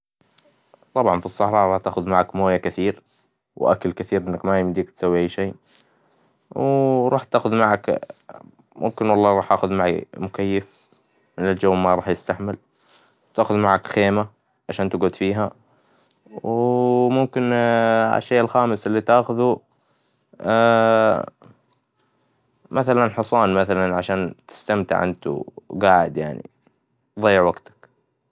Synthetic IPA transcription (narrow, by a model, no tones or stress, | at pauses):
t̪ˤɑbʕɑnfisˤːɑħɾˤɑːʔɾˤɑːħt̪aːxʊðmaʕakmoːjakɪθiːɾ | wʔa̰kalkɪθiːɾʔɪnːakmajɪmd̪iːk̚t̪sawːiʔajːʃeː | wɾˤɑːħt̪aːxʊðmaʕak | mʔʊ̰mkɪnwɑlˤːɑːɾˤɑːħʔaːxʊðmaʕḭmʊkajːɪf | mɪnɪld͡ʒawːmaɾˤɑːħjɪst̪aħmɪl | wt̪aːxʊðmaʕakxeːma | ʕaʃaːnt̪ɪɡʊd̪fiːɦa | wmʊmkɪna̰ʃːeːʔɪlxaːmɪsɪlːit̪aːxʊðu | mʔaθalanħɑsˤɑːnmaθalanʕaʃaːnt̪ɪ̥st̪amt̪ɪ̰ʕʔa̰nt̪ṵɡaːʕɪd̪ja̰ʕnḭ | ðˤɑjːɪʕwaɡt̪ḁk